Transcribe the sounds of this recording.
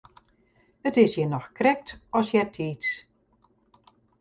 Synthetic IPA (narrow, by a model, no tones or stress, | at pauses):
ətɪsjənɔxkrɛk̚tɔsjɛtʰiːs